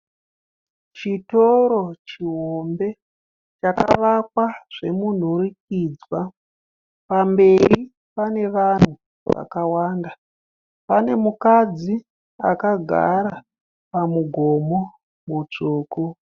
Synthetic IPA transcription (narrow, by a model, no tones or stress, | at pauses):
t͡ʃito̞ɾo̞t͡ʃiɦombe̞ | t͡ʃaka̰ʋak̚waʐ̥e̞mun̤uɾik̚id͡zwa | pambe̞ɾi | pane̞ʋan̤u | ʋa̰kawaːnda | pane̞mukad͡zi | a̰kaɡʱa̰ɾa | pamuɡʱo̞mo | mut͡ʂuːku